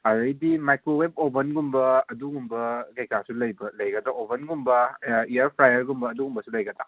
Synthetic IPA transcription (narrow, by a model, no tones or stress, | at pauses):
ɐɾɐjdimajkɾoweb̚obɐnɡumbɐɐduɡumbɐɡɐjkʰasulɐjbɐlɐjɡɐdaʔobɐnɡumbɐijɐɾpʰɾajɐɾɡumbɐːduɡumbɐsulɐjɡɐta